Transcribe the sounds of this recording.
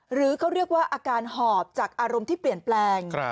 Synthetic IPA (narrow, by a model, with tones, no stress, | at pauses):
ɾɯː˩˦kʰa˦˥wɾi˥˩ək̚waː˥˩ʔaː˧kaː˧nhɔː˨˩p̚t͡ɕaː˨˩k̚ʔaː˧ɾo˧mt̪ʰiː˥˩pli˨˩ənplɛː˧ŋ